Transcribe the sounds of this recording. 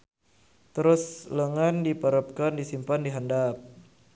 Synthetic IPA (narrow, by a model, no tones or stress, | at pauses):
t̪əɾʊsləŋandipəɾəp̚kandisimpandiɦandap̚